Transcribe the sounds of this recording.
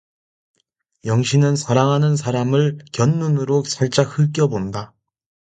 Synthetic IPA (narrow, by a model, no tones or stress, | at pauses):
jʌŋɕʰinɯnsʰaɾaŋɦanɯns̬ʰaɾamɯɭkjʌnːunɯɾot͡ɕ͈aɭt͡ɕ͈ahɯɭk̬͈jʌbonda